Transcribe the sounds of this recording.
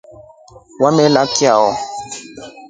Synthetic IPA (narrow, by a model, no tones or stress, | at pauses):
wamɛlakiaɔ